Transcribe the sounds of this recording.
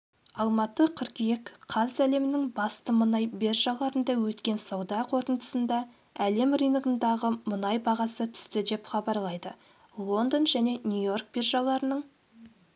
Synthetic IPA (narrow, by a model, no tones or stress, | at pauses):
ɑlˠmɑt̪əqʰəɾkʲjekqʰɑzæle̞mɪnɪŋbɑst̪əmənɑjbe̞ɾʒɑlˠɑɾənd̪ɑwɵt̪kʲe̞nsɑwd̪ɑqʰo̞t̪ənd̪ə̥sənd̪ɑ | æle̞mrijnəɡənd̪ɑʁəmənɑjbɑʁɑsət̪ʰʏ̥st̪ɪd̪e̞pχɑbɑɾlˠɑjd̪ə | lˠo̞nd̪onʒæne̞nʲujo̞rk̚berʒɑlˠɑɾənəɴ